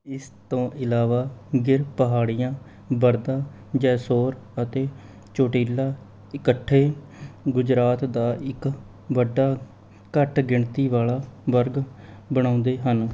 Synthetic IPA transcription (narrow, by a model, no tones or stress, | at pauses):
ɪst̪õːʔɪlaːʋaːɡɪɾpəɦaːɽijãː | bəɾd̪aː | d͡ʒɛːsoːɾ | ət̪eː | t͡ʃoːʈiːlaː | ɪkəʈʰːeː | ɡʊd͡ʒɾaːt̪d̪aːɪk | ʋəɖaː | kəʈɡɪɳt̪iːʋaːlaːʋəɾɡ | bəɽ̃ãːnd̪eːɦən